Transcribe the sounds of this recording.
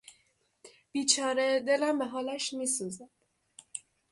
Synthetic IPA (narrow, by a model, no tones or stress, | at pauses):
b̥iːt͡ʃʰɒːɾed̪e̞læmbe̞ɦɒːlæʃmiːsuːzæd̪̥